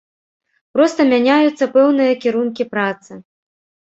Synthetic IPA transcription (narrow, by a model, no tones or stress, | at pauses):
pɾɔst̪ɐmʲanʲajut̪sːɐpɛwnɨjɐkʲiɾunkʲipɾat̪sɨ